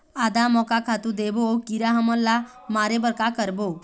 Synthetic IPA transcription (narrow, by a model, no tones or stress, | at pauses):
ad̪amɔkakʰat̪ud̪ebokiɾaɦəmɔlːa | maɾebəɾkakəɾbo